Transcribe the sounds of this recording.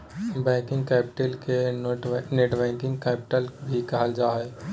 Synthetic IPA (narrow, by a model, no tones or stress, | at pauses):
bɛ̃ːkɪ̃ŋɡkɛːpɪ̥ʈəlke | neːʈbɛ̃ːkɪ̃ŋɡkɛːpɪʈəlbʱikɐɦəld͡ʒaːɛː